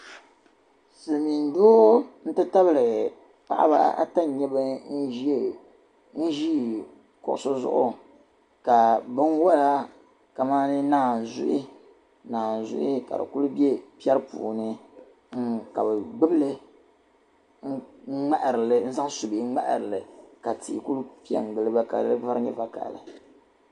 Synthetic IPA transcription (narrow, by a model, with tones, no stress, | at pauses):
sɨ˨mi˨n˦do˦n̩˦tɨ˦ta˦blɨ˨ | pa̰˨ʔa̰˦ba̰˦a̰˦ta˦˨ɲɛ˦bɨ˦n̩˦ʒ | n̩˦ʒi˦ | kʊ̰˨ʔʊ˨so˦zʊ̰˦ʔʊ̰˦ | ka˨bɨ˦nwa˦la˦ | ka˨maː˦nɨ˦naː˦˨n˨zʊ̰˦ʔi˦ | naː˨n̩˨zʊ̰˦ʔi˦ka̰˨dɨ̰˨ku˦lu˦bjɛ˦pi˦ɛ˦ɾɨ˦pṵː˨nɨ˦ | ŋ̩˦ka˨bɨ˨ɡ͡bɨ˦blɨ˦ | ŋ̩˦ŋ͡ma˦ʔɾɨ˨lɨ˨n̩˦za˦ŋ˦su˨bi˨˦ŋ͡ma̰˦ʔɾɨ˨lɨ˨ka˨ti˨ku˦lu˦pi˦ɛ̰˦ŋ˨ɡɨ˨lɨ˦ba˦ka̰˨˦ɨ˦va˦ɾɲɛ̰˦va˦ka̰˨lɨ˨